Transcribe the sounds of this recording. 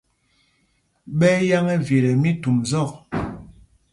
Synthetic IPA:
ɓɛ˦ja˦ŋɛ˦vje˨ɾɛ˨mi˦tu˨mzɔ˦˨k̚

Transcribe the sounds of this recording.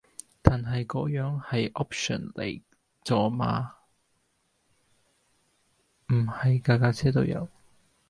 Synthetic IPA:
t̪aː˨˩nɦɐ˨jkɔː˨˥jœː˨˥ŋhɐ˨jʔɔː˥p̚ʃɔ̰˨˩nlḛ˨˩j | t͡sɔː˨˧ma̰ː˧ | m̩˨˩hɐ˨jkaː˧kaː˧t͡sʰɛː˥t̪o˧wjɐ̰˨˧˥w

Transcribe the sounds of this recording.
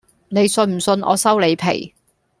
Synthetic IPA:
ne˨˧jsɵ˧nm̩˨˩sɵ˧nʔɔ̰ː˨˧sɐ˥wle˨˧jpʰḛ˨˩j

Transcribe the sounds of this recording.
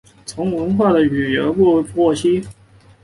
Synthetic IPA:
t͡sʰʊ˧˥ŋwə˧˥nxwa˥˩d̪ə˩y˨˩jə˧˥pu˥˧˥pwɔ˥˩ɕʰi˥

